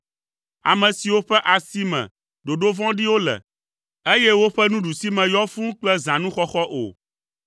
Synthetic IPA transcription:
a̰˨mɛ̃˨si˨wo˦ɸɛ˦ʔa˨si˦mɛ̰̃˨ | ɖo˨ɖo˦vɔ̃˦ɖi˦wo˦lɛ̰˨ | e˦jɛ˦wo˦ɸɛ˦nũ˦ɖu˨si˦mɛ̃˨jɔ˦fũ˦k͡plɛ˦zã˨nũ˦xɔ˦xɔ˦ʔo̰˨

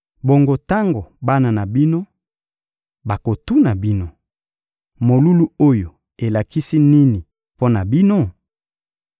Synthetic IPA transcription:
bo˨ŋɡo˨ta˦ŋɡo˨ba˦na˨na˨bi˦no˦ | ba˨ko˨tu˦na˨bi˦no˨ | mo˨lu˦lu˦o˦jo˨ | e˨la˨ki˦si˦ni˦ni˨ | po˦na˨bi˦no˦

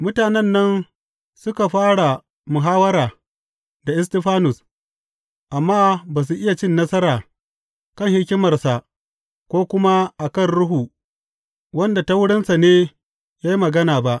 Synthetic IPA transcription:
mʊ˦taː˨nɛ˦nːɐ˦n | sʊ˦ka˨ɸaː˦ɽa˨ | mʊ˨ɦaː˦wɐ˦ɾaː˨ | da˨ʔɪ˦stɛ˦ɸaː˦nʊ˨s | ʔa˨mːaː˦baː˨s̬u˨ʔɪ˦ja˨t͡ʃɪ˦nːɐ˦sɐ˦ɾaː˨ | kɐ˦˨ŋhɪ˦kʲɪ˦mɐ˨rsa˨ | kʷoː˦kʷʊ˦ma˦ʔa˨kɐ˦˨nɽʊ˦ɦuː˨ | wɐ˦nda˨ta˦wʊ˦ɽɪ˦nsa˨neː˦ | jaː˦ji˦mɐ˨ɡɐ˦naː˨ba˦ʔ

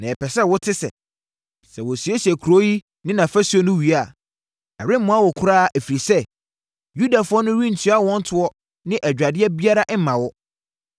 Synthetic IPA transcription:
nã˨ɛ˨pʰɛ˨sɛ˦˨wʊ˦tʰɪ˦sɛ̰˨ | sɛ˨wɔ˨si˨ɛ˦ɕi˨ɛ˨kʰu˨ɾo˦ji˦ | nɪ̃˦nã˨fæ˦su˦ɔ˦nʊ̃˦ɥi˨a˦˨ | ɛ˨ɾɪ̃˦m˦mʊ̃˦a˦˨wɔ˨kʰʊ˦ɾaː˦˨ʔæ˨fi˨ɾi˨sɛ˦ | ju˦da˨fʊ˦ɔ˦nʊ̃˦ɾĩ˦n̩˨tʰɥa˦wɔ̃˦n̩˦tʰʊ˦ɔ˦ | nɪ̃˦ʔæ˨d͡ʑᶣɾa˨dɪ˦ɛ˦bi˦a˦ɾa˦ʔɛ˦mã˨wɔ˦

